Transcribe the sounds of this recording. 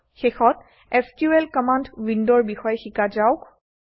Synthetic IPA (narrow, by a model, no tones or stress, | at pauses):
xexɔt̚ | estielkɔmantwindɔɹbixɔjɛxikazawk